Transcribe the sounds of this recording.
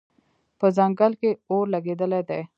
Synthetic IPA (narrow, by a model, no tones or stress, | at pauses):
pəzaŋɡəlkeoɾlaɡed̪əled̪e